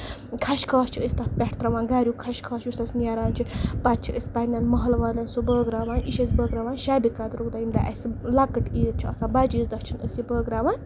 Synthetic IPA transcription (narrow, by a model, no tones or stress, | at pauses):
kʰaʃkʰɐːst͡ʃʰiəsʲt̪at̪̚ʰpʲɛʈʰt̪ɾaʋãːnɡaːɾjukʰaʃkʰɐːt͡ʃʰjusʲt̪asnjaːɾaːnt͡ʃʰipat̪̚t͡ʃʰiəsʲpanʲaːnmɐɦlʋaːlʲɐnsubəːɡɾaːʋaːniʃɐsʲbəːɡɾaʋaːnʃaːbikaːt̪ɾukd̪aːjind̪aʔɐsʲlakːəʈit̪̚t͡ʃʰiɐ̰sãːbad͡ʒisd̪ɐt͡ʃʰinəsibəːɡɾaːʋãːn